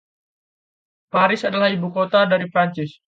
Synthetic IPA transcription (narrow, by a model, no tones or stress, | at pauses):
paɾɪsadalahibukot̪adaɾipɾaɲt͡ʃɪs